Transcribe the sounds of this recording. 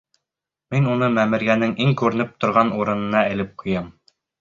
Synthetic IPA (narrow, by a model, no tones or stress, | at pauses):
minunɤmæmɘ̆ɾɡænɘŋiŋkʉɾɘ̆nɘp̚t̪ŏɾʁɑnuɾɤ̆nɤ̆nɑɘ̆lɘp̚qʰŏjɑm